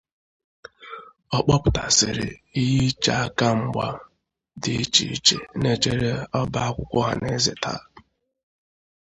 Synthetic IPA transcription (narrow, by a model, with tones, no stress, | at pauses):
ɔ˦k͡pɔ˦pʊ˨ta˨sɪ˨ɾɪ̰˨i˦ji˦t͡ʃa˨a˦ka˦ŋ͡m̩˦ɡ͡ba˦ | dɪ˨i˦t͡ʃi˨i˦t͡ʃe˨ne˦t͡ʃe˨ɾe˦ɔ˦ba˦a˦kʷʊ˨kʷʊ˦ɦa̰˨ne˦ze˨tʰa̰˦